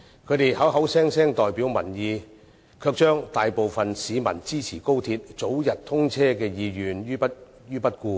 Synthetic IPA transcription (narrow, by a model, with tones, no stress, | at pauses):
kʰɵ˨˧ɥt̪e˨˩jhɐ˨˥wɦɐ˨˥wsɛː˥ŋsɛː˥ŋt̪ɔː˨jpiː˨˥wmɐ˨˩njiː˨˧ | kʰœː˧k̚t͡ʃœː˥ŋt̪aː˨jpo˨wfɐ˨nsiː˨˧mɐ̰˨˩nt͡siː˥t͡sʰiː˨˩ko˥wt̪ʰiː˧t̚t͡so˨˥wjɐ˨t̚t̪ʰʊ˥ŋt͡sʰɛː˥kɛː˧jiː˨˧jyː˨njyː˥pɐ˥t̚ | jyː˥pɐ˥t̚kuː˧